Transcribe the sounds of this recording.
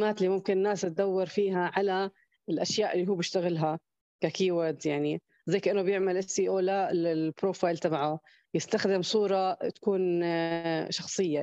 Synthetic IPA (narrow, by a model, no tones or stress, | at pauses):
maːt̪liːmʊmkɪnnːaːsat̪̚d̪awːɑɾˤfiːɦaʕala | ɪlʔaʃjaːʔɪlːiɦuːbjɪʃt̪aɣɪlɦa | kakiːwaɾd̪jaʕni | zaːkaʔɪnːʊbjɪʕmalʔɪsiːʔoːlaɪpɾoːfaːjlt̪abʕa | jɪst̪axd̪ɪmsˤuːɾˤɑt̪ḁkuːn | ʃɑxsˤɨjːa